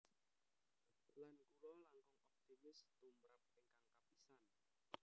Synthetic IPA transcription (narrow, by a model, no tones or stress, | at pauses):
lankulɔlaŋkɔŋɔp̚t̪imɪst̪umbɾap̚eŋkaŋkapisan